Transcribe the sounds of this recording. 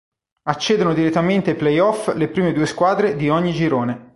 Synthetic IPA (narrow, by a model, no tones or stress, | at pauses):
at͡ʃːeːd̪onod̪iɾet̪ːament̪eplejɔflepɾiːmed̪uːeskwaːd̪ɾed̪iɔɲːid͡ʒiɾoːne